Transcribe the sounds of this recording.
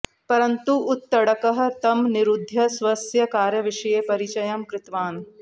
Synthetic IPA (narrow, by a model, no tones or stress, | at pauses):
pɐɾɐnt̪uʊt̪ːɐɽɐkɐɦɐ̆t̪ɐmnɪɾud̪ʱːjɐsʋɐsjɐkaːɾjɐʋɪʃɐjeːpɐɾit͡ʃɐjɐmkɾɪt̪ʋaːn